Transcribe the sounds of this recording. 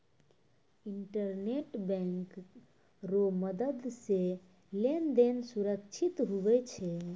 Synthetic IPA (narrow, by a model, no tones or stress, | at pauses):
iɳʈəɾneʈbɛ̃ŋk | ɾoməd̪əd̪se | lend̪ensuɾəkt͡ʃʰit̪ɦuʋɛt͡ʃʰɛ